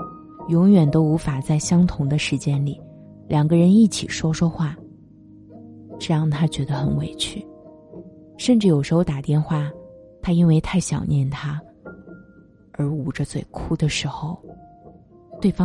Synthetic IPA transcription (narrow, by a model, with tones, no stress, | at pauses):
jʊ˧˥ŋɥɛ˨˩nt̪o˥ʊu˧˥fa˨˩t͡sa˥˩ɪɕjɑ˥ŋt̪ʰʊ˧˥ŋd̪ə˧ʂɻ̩˧˥t͡ɕjɛ˥nli˨˩˦ | ljɑ˨˩ŋɡə˦ɻə˧˥ni˥˩t͡ɕʰḭ˨˩ʂwɔ˥ʂwɔ˥xwa˥˩ | ʈ͡ʂɤ˥˧jɑ˥˩ŋt̪ʰa˥t͡ɕɥɛ˧˥d̪ə˧xə˧˥nwḛ˨˩ɪt͡ɕʰy˥˩ | ʂə˥˧nʈ͡ʂɻ̩˥˩jo˨˩ʂɻ̩˧˥xo˧ʊt̪a˨˩t̪jɛ˥˧nxwa˥˩t̪ʰa˥i˥nwe˥˧ɪt̪ʰa˥˩ɪɕjɑ˨˩ʊnjɛ˥˩nt̪ʰa˥ | ə˞˧˥u˨˩ʈ͡ʂə˦t͡swe˥˩ɪkʰu˥d̪ə˨ʂɻ̩˧˥xo˧ʊ | t̪we˥˩ɪfɑ˥